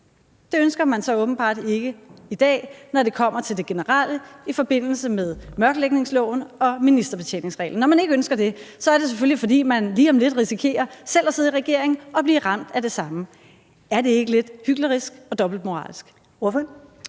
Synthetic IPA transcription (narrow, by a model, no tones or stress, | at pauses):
d̥e̝ønsɡ̥ɐmænsɒ̽ɔ̽ːb̥n̩b̥ɑ̰̈ːd̥e̝ɡ̥əid̥ɛ̰ːnɒɾe̝kʰɒ̽m̰ɐt͡sʰeld̥e̝ɡ̥e̝nəʁaləifɒ̽b̥e̝n̰l̩səmeð̞ˠmɶɐɡ̥əleɡ̥ne̝ŋslɔ̽ʊn̩ɒ̽minisd̥ɐb̥e̝̥t͡sʰḛːne̝ŋsʁɛ̰ːln̩ːɒmæne̝ɡ̥əønsɡ̥ɐd̥e̝sɒ̽æɐɾe̝sefølifɒ̽d̥ḭːmænliːɒ̽mle̝d̥ʁisikʰe̝̰ːɐsel̰æse̝ð̩ˠiʁɛɡ̥e̝ɐ̰e̝ŋn̩ɒ̽b̥liːʁɑ̈m̰d̥æde̝sɑ̈mə | æɐd̥e̝e̝ɡ̥əle̝d̥hyɡ̥ləʁisɡ̥ɒ̽d̥ɒ̽b̥l̩d̥̚mo̝ʁɑ̰̈ːlsɡ̥ | ɔf